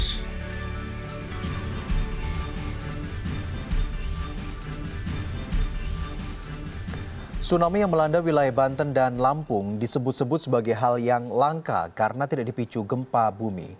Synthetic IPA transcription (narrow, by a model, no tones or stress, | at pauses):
sunamijaŋməlandawilajabant̪əndanlampʊŋdisəbʊt̪səbʊt̪̚səbaɡajɦaljaŋlaŋka̰kaɾənat̪idaʔdipit͡ʃuɡəmpabumḭ